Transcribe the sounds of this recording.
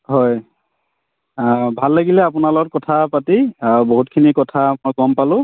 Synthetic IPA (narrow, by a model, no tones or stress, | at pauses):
hɔj | bʱalːaɡilɛapʊnalɔɡɔt̚kɔtʰapatiaboɦutkʰinikɔtʰamɔjkɔmpalʊ̃